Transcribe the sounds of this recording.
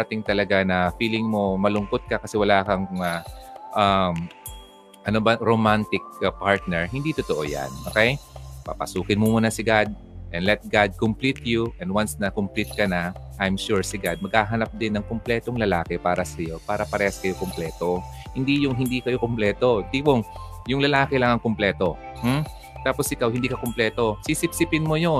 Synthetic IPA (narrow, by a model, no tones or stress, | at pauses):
ɐɾɐt̪ɪŋt̪ɐlɐɡanɐfiːlɪŋmo̞mɐlʊŋkot̪̚kɐkɐsɛwɐlaːkɐŋaʔam | ʔɐnobɐɾomant̪ɪk̚paɹt̪̚nɛɹɦɪnd̪it̪ot̪oʔo̞̰ja̰nʔoːkɛjpɐ̰pɐ̰suːkɪnmʊmuːnɐsɪɡad̪̚ | ʔɛnlɛt̪̚ɡad̪̚kʊmplit̪juʔɛnd̪wansnɐkʊmplit̪̚kɐnɐʔajmʃuɹsɪɡad̪̚mɐɡ̚haːɦɐnap̚d̪ɪnːɐŋkʊmplɛːt̪oŋlɐlaːkɛpaːɾɐsɐjo̞paːɾɐpɐɾɛːhɐskɐjokomplɛːt̪o̞ | hɪnd̪ijʊŋɦɪnd̪iːkɐjokʊmplɛːt̪o̞d̪iboŋ | jʊŋlɐlaːkɛlɐŋɐŋkʊmplɛːt̪o̞ | m̩ | t̪aːposʔɪkawhɪnd̪iːkɐkʊmplɛːt̪o̞sisɪp̚sɪpɪnmojo